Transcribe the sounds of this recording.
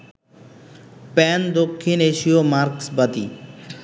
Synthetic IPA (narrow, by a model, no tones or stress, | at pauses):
pɛnd̪okʰːineʃiomaɾksbat̪ḭ